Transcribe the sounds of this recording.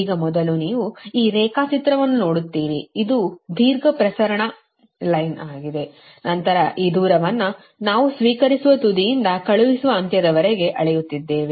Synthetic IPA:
iːɡɐmɔd̪ɐluniːʋuiːɾɛːkaːt͡ʃit̪ɾɐʋɐnːuno̞ːɽut̪ːiːɾiːd̪ud̪ʱiːɾɡɐpɾɐsɐɾɐɳɐ | lɐjnaːɡid̪e̞ | nɐnt̪ɐɾɐʔiːd̪uːɾɐʋɐnːɐ | naːʋusʋiːkɐɾisuʋɐt̪ud̪ijind̪ɐkɐɭuʋisuʋɐːnt̪jɐd̪ɐʋɐɾeɡe̞ʔɐɭejut̪ːid̪ːe̞ːʋi

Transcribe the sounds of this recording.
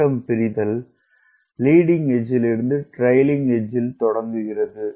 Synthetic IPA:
ɐmpɪɾɪðɐlː | iːɽɪŋɛd͡ʒɪlɪɾɯnd̪ɯʈɾɐjlɪŋɡɛd͡ʒɪlt̪ɔɽɐŋɡɯɣɪrɐðɯ

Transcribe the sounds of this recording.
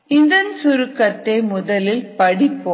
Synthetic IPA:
ɪnd̪ɐnsʊɾɯkːɐt̪ːeːmʊðɐlɪlpɐɽɪpːo

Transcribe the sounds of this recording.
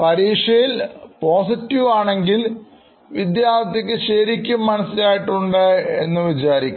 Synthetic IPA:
pɐɾiːʂɐjilpo̞ːsitːiʋaːɳe̞ŋɡil | ʋid̪jaːɾt̪ʰɐk̬ʲːɨɕeːɾikʲːumːɐnɐsːilaːjiʈːuɳɖɨe̞nːɨʋit͡ɕaːɾikʲːu

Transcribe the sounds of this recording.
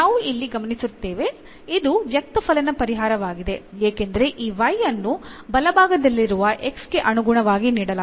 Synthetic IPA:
naːʋuʔilːiɡɐmɐnisut̪ːe̞ːʋe̞ | id̪uʋjɐk̚t̪ɐpʰɐlɐnɐpɐɾiɦaːɾɐʋaːɡid̪e̞eːkend̪ɐɾe̞ʔiːʋɐjːɐnːubɐlɐbʱaːɡɐd̪ɐlːiɾuʋɐʔe̞ksɡe̞ʔɐnuɡuɳɐʋaːɡiniːɽɐla

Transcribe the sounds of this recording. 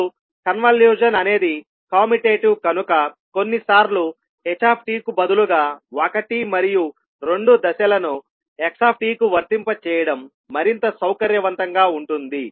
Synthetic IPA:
u | kɐnʋɐljuːd͡ʒɐnɐne̞ːd̪i | kaːmiʈeːʈukɐnukɐ | ko̞nːisaːɾlu | et͡ʃaːp̚ʰʈiːkubɐd̪uluɡaːokɐʈimɐɾiju | ɾe̞ɳɖud̪ɐsɐlɐnu | eksaːp̚ʰʈiːkuʋɐɾt̪impɐt͡ʃɛːjɐɽɐmː | ɐɾint̪ɐsɐwkɐɾjɐʋɐnt̪ɐŋɡaːuɳʈund̪i

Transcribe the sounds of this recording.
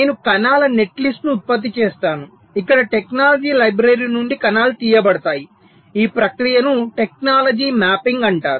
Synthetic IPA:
neːnukɐnaːlɐne̞ʈlisʈnuːt̪̚pɐt̪̬ːit͡ʃeːst̪aːnu | ikːɐɽɐʈeknaːlɐd͡ʒiːlɐjbɾɐɾinuɳɖikɐnaːlut̪iːjɐbɐɽɐt̪aːji | iːpɾɐkɾijɐnuʈek̚naːlɐd͡ʒiːmaːpiŋɡɐɳʈaːɾu

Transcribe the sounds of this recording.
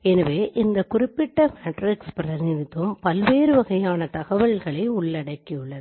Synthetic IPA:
ɛnɐʋeːʔɪnd̪ɐkʊrɪpːɪʈːɐmeːʈrɪkspɪɾɐɾɪnd̪ɪt̪ːɯmpɐlʋeːɾɯʋɐɣɐjaːnɐt̪ɐɣɐʋɐɭɣɐɭɐɪʊɭːɐɽɐkːɪjɯɭːɐðɯ

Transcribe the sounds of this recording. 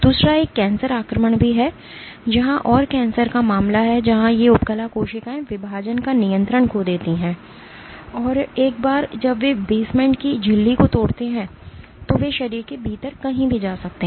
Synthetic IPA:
d̪uːsɾaeːkːɛ̃ːnsəɾaːkɾəməɽ̃bʱiɦɛ | d͡ʒɐɦãʔɔːɾkɛ̃ːnsəɾkamaːmlaɦɛd͡ʒɐɦãjeʊpkəlakoːʃɪkãẽʋɪbʱaːd͡ʒənkanɪjə̃nt̪ɾəɳkod̪eːt̪iɦɛ̃ː | ɔːɾeːkbaːɾd͡ʒɐbʋebeːsmɛ̃ːɳʈkid͡ʒʱɪlːikot̪oːɽt̪eɦɛ̃ː | t̪oʋeʃɐɾiːɾkebʱiːt̪əɾkɐɦĩbʱid͡ʒaːsɐk̚t̪eɦ

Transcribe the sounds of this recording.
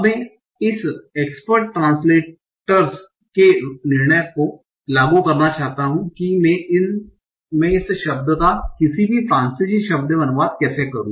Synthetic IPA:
mɛ̃ː | ɪseːkspəɾʈːɾãːnsleː | ʈəɾz | kenɪɾɳəjko | laːɡukɐɾnat͡ʃaːɦt̪aɦũkimɛ̃ɪn | mɛ̃ɪsʃɐb̚d̪t̪akɪsibʱifɾãːnsid͡ʒiʃɐb̚d̪bɐnʋaːd̪kɛːsekɐɾũː

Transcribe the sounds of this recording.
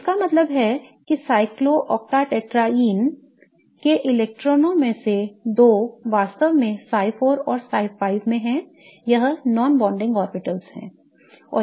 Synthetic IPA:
ɪskamɐt̪ləbɦɛkisaːɪkloʔɔːk̚ʈ̪aːʈeːʈɾaiːn | keʔɪleːk̚ʈɾɔːnõmẽsed̪oːʋaːst̪əʋmẽsaːɪfʰoːɾɔːɾsaːɪfaːɪʋmẽɦɛ̃ | jɐɦnɔːnbɔ̃ːɳɖɪ̃ŋɡɔːɾbɪʈəlshɛ̰̃ː | ɔ̰ː

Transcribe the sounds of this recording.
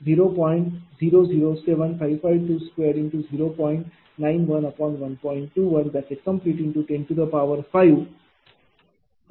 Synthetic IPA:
ziːɾoːpɔ̃ɪ̃ɳʈziːɾoːziːɾoːseʋə̃nfaɪʋfaɪʋʈuːskweːɾɖɪ̃ɳʈuziːɾoːpɔ̃ɪ̃ɳʈ | nãɪ̃nʋʌ̃nɐpɔ̃ːnʋʌ̃npɔ̃ɪ̃ɳʈ̚ʈːuːʋʌ̃nd̪æʈseʈ̚kə̃mpliʈɪ̃ɳʈuʈẽɳʈud̪əpaʋəɾfaɪʋ

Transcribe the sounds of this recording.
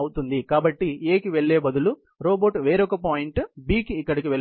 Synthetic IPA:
ɐwut̪und̪ikaːbɐʈːieːkiʋeɭːeːbɐd̪ulu | ɾoːboːʈʋe̞ːɾɔkɐpaːjiɳʈbiːkiːkːɐɽikiʋel

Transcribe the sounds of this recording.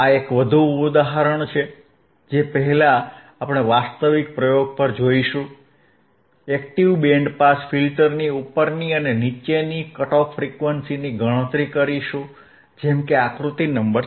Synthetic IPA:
aekʋəd̪ʱuːd̪aɦəɾəɳt͡ʃʰe | d͡ʒepəɦɛlaː | pɳ̃eʋast̪əʋik̚pɾəjoɡ̚pəɾd͡ʒoiʃũ | ɛkʈiʋbɛ̃ɳɖpasfilʈəɾniupːəɾniənenit͡ʃenikəʈɔffɾikʋənsiniɡəɽ̃ə̃t̪ɾikəɾiʃũ | d͡ʒɛmkeakɾut̪inəmbəɾ

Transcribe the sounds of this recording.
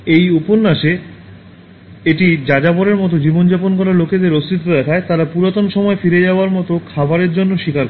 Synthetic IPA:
ejuponːaʃe | eʈid͡ʑad͡ʑabɔɾeɾmɔt̪̬od͡ʑibond͡ʑaponkɔɾaloked̪eɾost̪it̪ːod̪ɛkʰaet̪aɾapuɾat̪onʃɔmɔefiɾed͡ʑaoaɾmɔt̪okʰabaɾeɾd͡ʑonːoʃikaɾk

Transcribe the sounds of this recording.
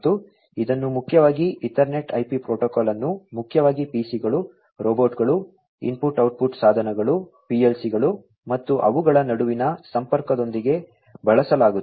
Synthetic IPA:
t̪ːu | id̪ɐnːumukʰːjɐʋaːɡiiʈɐɾne̞ʈɐjpipɾoːʈɔkɔːlɐnːumukʰjɐʋaːɡipiːsiɡɐɭu | ɾoːboːʈɡɐɭu | ḭmpuʈɐwʈ̚puʈsaːd̪ʱɐnɐɡɐɭu | pielsiɡɐɭu | mɐt̪ːuʔɐ̰ʋuɡɐɭɐnɐɽuʋinɐsɐmpɐɾkɐd̪o̞nd̪iɡe̞ | bɐɭɐsɐlaːɡu

